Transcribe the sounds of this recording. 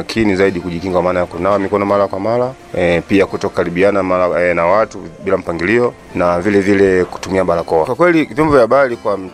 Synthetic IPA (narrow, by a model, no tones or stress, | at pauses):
akʰinizaiɗikuʄikiŋɡwamaːnajakunawamikɔnɔmalakwamala | piakutɔkukaɾiɓianamalanawatuɓilam̩paŋɡiliɔ | navilɛvilɛku̥tumiaɓalakɔwakwakwɛlivjɔmbɔvjaɓalikwam̩